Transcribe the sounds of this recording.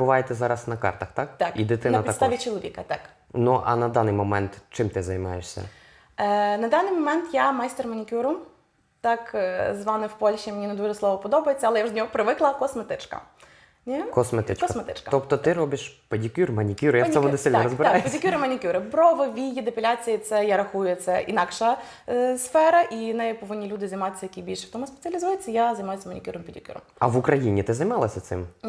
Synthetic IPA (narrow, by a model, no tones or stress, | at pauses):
bʊʋɑjet̪ɛzɑɾɐsnɐkɑ̰rt̪ɐxt̪ɑk̚t̪akid̪ɪt̪ɪnɐɐtʲpiɐk̪aʋʲit͡ʃɔlˠɔʋʲikɐt̪ɑk | nuʔɐ̰nɐd̪ɑnɪjmɔmɛnt̪t͡ʃɪmt̪ɪzɐjmɑjeʃsʲɐ̰ | nɐd̪ɑnɪjmɔmɛnt̪jamɑjst̪ermɐnʲikʲuɾʊ | t̪ɑkzʋɑnɪwpɔlʲʃʲimʲenʲined̪uʒɛslˠɔʋɔpɔd̪ɔbɐjet͡sʲːɐlˠɛjaʒd̪ʲnʲɔɦɔpɾɪʋɪklˠɐkɔsmet̪ɪt͡ʃkɐ̰ | nʲɛkɔsmet̪ɪt͡ʃɔsmet̪ɪ̰t͡ʃkɐt̪ɔpt̪ɔt̪ɪɾɔbɪʃpɐdʲikʲurmɐnʲikʲuɾɪjaɔmʊnesɪlʲnɾɔzbɪɾajpidʲikʲuɾɪmɐnʲikʲuɾɪpɾɔʋɪʋʲijid̪epelʲat͡sʲijit̪sɛjaɾɐxujʊjɛt̪sɛʔḭnɑkʃɐ | sfɛɾɐʔinɛjɛpɔʋɪnʲːilʲud̪ɪzɐjmɑt̪esʲːɐjɐkʲibʲilʲʃɛw̥t̪ɔmʊspe̥t͡sʲɐlʲizujet͡sʲːɐjazɐjmɑjʊsʲɐmɐnʲikʲuɾɪmpʲidʲikʲṵɾɔ̰mɐ̰ʋʊkɾɐjinʲit̪ɪzɐjmɑlˠɐsʲɐsɪ̰m